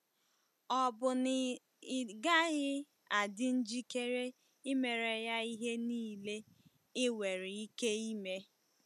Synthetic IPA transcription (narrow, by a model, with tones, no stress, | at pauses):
ɔ˦bʊ˨n˨ | ɡa˦ɣɪ˦ | a˨dɪ˦n̩˦d͡ʒi˦ke˦ɾe˦ | ɪ˦me˨ɾe˨ja˦i˦ɦe˦niː˦˨le˦ | ɪ˦we˨ɾɪ˨i˦ke˦i˦me˦